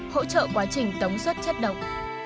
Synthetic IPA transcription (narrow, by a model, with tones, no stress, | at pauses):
ho̰˧˥t͡ɕə̰ː˧˨kwaː˨˦t͡ɕï˨˩ŋ̟t̪ə˨˦wŋ͡mswə˦˥t̚t͡ɕə˦˥t̚ɗə̰˧˨wŋ͡m